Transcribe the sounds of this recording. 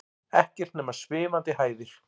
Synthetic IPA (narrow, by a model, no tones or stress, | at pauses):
ɛhcɛr̥t̪nɛːmaɾ̥svɪːmant̪ɪhaːjðɪɾ̥